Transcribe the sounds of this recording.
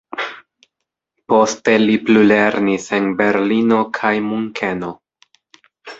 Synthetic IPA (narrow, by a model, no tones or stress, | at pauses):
po̞ste̞liplule̞ɾnise̞nbe̞ɾlino̞kʰajmuŋkʰe̞no̞